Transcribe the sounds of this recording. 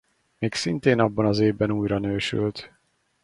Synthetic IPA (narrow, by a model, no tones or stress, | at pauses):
meːksint̪eːnɒbːɒnɒzeːvːɛnuːjɾɒnøːʃy̰lt̪